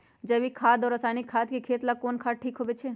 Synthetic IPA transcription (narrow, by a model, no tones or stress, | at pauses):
d͡ʒɐbikʰaːd̪ɔːɾɐsaːnɪkʰːaːd̪kikʰeːt̪lakoːnkʰaːʈʰiːkɦoːʋet͡ʃʰeː